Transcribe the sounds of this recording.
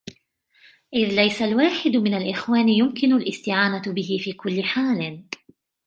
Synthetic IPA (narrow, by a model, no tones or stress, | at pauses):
ʔɪðlajsalwaːħɪd̪mɪnalʔɪxwaːnɪjʊmkɪnʊlʔɪst̪ɪʕaːnabɪɦɪfiːkʊlːɪħaːl